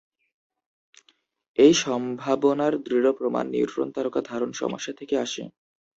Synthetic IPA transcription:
ejʃɔmbʱabonaɾd̪ɾiɾopɾoma̰nːḭṵt̪ɾo̰nt̪aɾokad̪ʱaɾonʃɔ̰mo̰ʃːat̪ʰekeaʃḛ

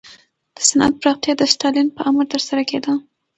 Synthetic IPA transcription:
d̪̥ə̥sanʔa̰t̪̚pɾɑqt̪jɑd̪əsʈɑlinpəʔaməɾt̪əɾsaɾaked̪ə

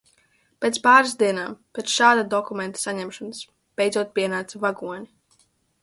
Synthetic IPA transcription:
pʲɛt̪spaːɾsd̪iɛnaːmpʲet̪sʃaːd̪ad̪ɔkumɛ̃nt̪ḁsaɲɛmʃɔnɨs | b̥ɛjd̪zuɔt̪̚pʲiɛnaːt̪savaɡuɔɲi

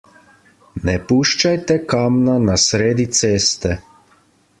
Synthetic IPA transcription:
nɛpuːʃt͡ʃajt̪ɛkaːmnanasɾeːd̪it̪seːst̪ɛ

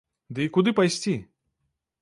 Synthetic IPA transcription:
d̪ɨikud̪ɨpajsʲt͡sʲi

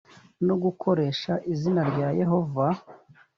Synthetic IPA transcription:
no̞ɡukʰo̞ɾe̞ːʃaʔizinaɾɟaːje̞ɦo̞va

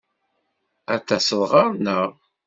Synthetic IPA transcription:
æt͡sːæsəðˤʁɑɾnəʁ

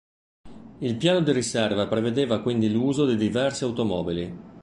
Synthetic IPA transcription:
ilpjaːnod̪iɾisɛrvapɾeved̪eːvakwind̪iluːzod̪id̪ivɛrsiawt̪omɔːbili

